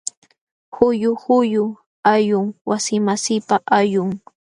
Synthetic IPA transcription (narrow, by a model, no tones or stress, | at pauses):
xʊjʊhʊjʊ | ajʊŋwasɪmasɪpaʔajʊŋ